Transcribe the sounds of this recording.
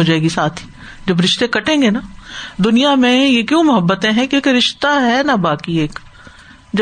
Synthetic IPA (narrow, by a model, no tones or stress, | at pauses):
od͡ʒaːeːɡisaːt̪ʰi̥ | d͡ʒɐbɾɪʃt̪ẽkɐʈẽːŋɡenad̪ʊnijamẽjekjõːmʊɦəbːət̪ẽɦɛ̃kieːkɾɪʃt̪aɦɛnabaːkieːk | d͡ʒ